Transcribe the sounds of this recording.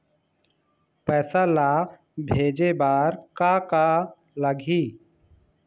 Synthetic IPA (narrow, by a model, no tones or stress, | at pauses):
pɛːsalaː | bʱeːd͡ʒebaːɾkaːka | ləɡʱiː